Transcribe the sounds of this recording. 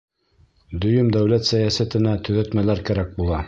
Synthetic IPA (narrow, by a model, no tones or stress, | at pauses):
d̪ɵ̆jɵmd̪æwlæt̪sæjæsæt̪ɘ̆næt̪ɵ̆ðæt̪mælæɾkæɾæk̚bulˠɑ